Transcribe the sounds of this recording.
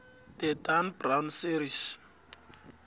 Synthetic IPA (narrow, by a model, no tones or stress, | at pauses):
tɛdanbrawnsiɾis